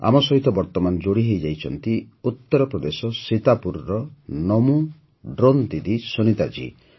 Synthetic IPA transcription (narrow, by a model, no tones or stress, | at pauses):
a̰mɔsɔɦit̪ɔbɔɾt̪ɔmanɔd͡ʒoɽiɦejd͡ʒajt͡ʃʰɔnt̪i | ut̪ːɔɾɔpɾɔd̪esɔsit̪apuɾɾɔnɔmu | ɖɾont̪id̪isunit̪ad͡ʒḭ